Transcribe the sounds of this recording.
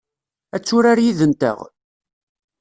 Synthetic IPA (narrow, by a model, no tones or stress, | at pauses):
æt͡sːʊɾaɾjiðənt̪ə̰ʁ